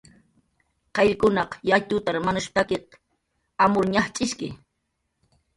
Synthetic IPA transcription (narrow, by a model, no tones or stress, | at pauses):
qɑʎkʊnɑqjat̪ʊt̪aɾmanʊʃpakɪq | amʊɾɲaχt͡ʃʼɪʃkɪ